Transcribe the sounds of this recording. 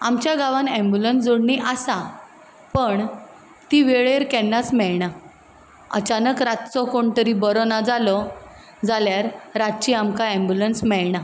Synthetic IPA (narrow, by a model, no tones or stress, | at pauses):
amt͡ɕjaɡaʋãnɛ̃mbjulənsd͡zoɽɳiʔasa | pəɳ | t̪iːʋeɭeɾkɛnːasmɛɭɳa | ə̰t͡ɕanəkɾat̪t͡sɔkoɳt̪əɾiːbəɾɔnad͡zalɔ | d͡zaljaɾɾat̪t͡ɕiamkaɛ̃mbjulənsmɛɭɳa